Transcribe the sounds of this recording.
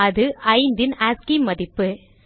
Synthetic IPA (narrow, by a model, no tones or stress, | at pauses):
ɐðɯʔɐɪnd̪ɪnaːskimɐðɪpːɯ